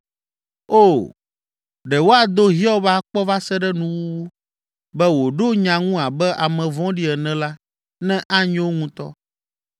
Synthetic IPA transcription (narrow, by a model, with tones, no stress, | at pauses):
o˦˨ | ɖɛ˨wo˦a˨d̪o˦ɦi˦ɔ˦ba˦k͡pɔ˦va˦sɛ˦ɖɛ˦nũ˨wu˦ | bɛ˦wo˨ɖo˦ɲã˨ŋũ˦a˨bɛ˦ʔa˨mɛ̃˨vɔ̃˦ɖi˦ɛ˨nɛ̃˦la˦ | nɛ̃˦ʔa˦ɲɛ̃˦wo˦ŋũ˦t̪ɔ̰˦